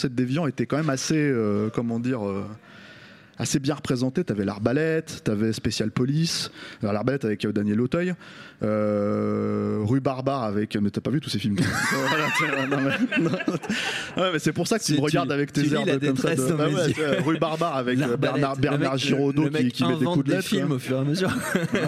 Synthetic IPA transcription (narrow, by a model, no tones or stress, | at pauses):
sɛt̪̚d̪evjɑ̃et̪ɛkɑ̃mɛmaseøkɔmɑ̃d̪iʁø | a̰sebjɛ̃ʁəpχezɑ̃t̪et̪yavɛla̰ʁbalɛt̪ːyavɛspesjalpɔlisalɔʁlaʁbalɛt̪avɛkəd̪anjɛlot̪œjø | ʁybaʁbaʁavɛkmɛt̪yapavyt̪usefilmwalat̪ɛɛnɔ̃mɛnɔ̃ | wɛmɛsɛpuʁsakət̪yməʁəɡaʁd̪avɛkt̪ezɛʁdkɔmsad̪əbawɛt̪ɛʁybaʁbaʁavɛkbɛʁnaʁbɛnaʁʒiʁod̪okikʲifɛekud̪lɛt̪kiwmofyʁeaməzy